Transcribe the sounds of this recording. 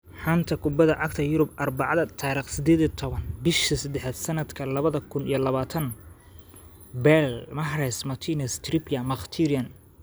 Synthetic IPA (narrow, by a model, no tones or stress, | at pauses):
ħant̪ʰɐkʰʊbɐðɐʕɑɡ̚t̪ʰɐjʊɾʊb̚ʔɐrbɑʕɑðɐt̪ʰɑːɾɪqsɪd̪ɛːðit̪ʰɔβɐnbɪʃtʰɐsɐd̪ɛħad̪sɐnɐd̪kʰɐlɐβɐðɐkʰʊnḭjɔlɐβaːt̪ʰɐn | bɛlmɐɦɾɛsmɐt̪ʰinɐst̪ripʰjɐmɐχt̪ʰiɾiɐn